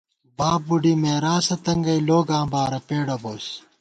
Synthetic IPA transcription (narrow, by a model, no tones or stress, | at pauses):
baːb̚buɖiːmeːɾaːsɐt̪ɐŋɡɐjloːɡãːbaːɾɐpeːɽɐboːs